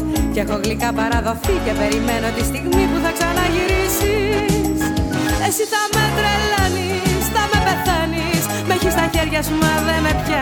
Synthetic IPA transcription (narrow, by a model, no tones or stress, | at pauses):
cexoɣlikɐpɐɾɐðo̞fice̞pe̞ɾimenot̪ist̪iɣmipuθɐksɐnɐʝiɾisise̞siθɐmet̪ɾelɐni | st̪ɐme̞pe̞θɐnis | meçist̪ɐçe̞ɾʝɐsumɐðemepçɐ